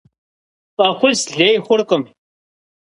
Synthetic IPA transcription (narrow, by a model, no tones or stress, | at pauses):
pʼɐχʷʊsɮeːjχʷʊrqʼəm